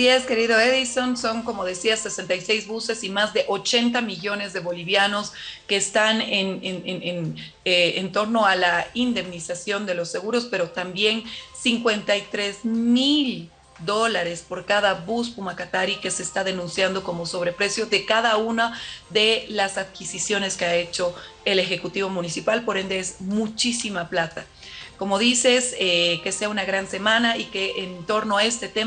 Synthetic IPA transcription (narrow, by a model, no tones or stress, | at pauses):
sie̞ske̞ɾiðo̞eðiso̞nso̞ŋko̞mo̞ðe̞siase̞se̞nt̪ajse̞jzβuse̞simazðeʔo̞t͡ʃe̞nt̪amiʝo̞ne̞zðe̞βo̞liβjano̞ske̞ːst̪anenenenenː | nt̪o̞ɾno̞alaind̪e̞mnisasjo̞nd̪e̞lo̞sːe̞ɣuɾo̞spe̞ɾo̞t̪ambje̞nsiŋkwe̞nt̪ajt̪ɾezmil | d̪o̞laɾe̞spo̞ɾkaðabuspumakat̪aɾike̞se̞ːst̪aðe̞nũnsjand̪o̞ko̞mo̞so̞β̞ɾepɾe̞sjo̞ðe̞kaðaunaðe̞lasaðkisisjo̞ne̞skeae̞t͡ʃo̞ | e̞le̞xe̞kut̪iβo̞mũnisipalpo̞ɾe̞nd̪e̞ezmut͡ʃisimaplat̪a | ko̞mo̞ðise̞seke̞se̞aunaɣɾanse̞mãnaike̞ʔent̪o̞ɾno̞ae̞st̪e̞t̪e